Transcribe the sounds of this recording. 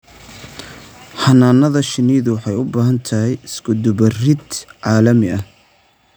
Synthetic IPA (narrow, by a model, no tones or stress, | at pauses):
hɐnaːnɐðɐʃɪniːðʊwɑħɑjʊbaːɦɐnt̪ʰɐɦɛjɪsɡʊd̪ʊbɐrɪd̪ʕɑːlɐmɪɐh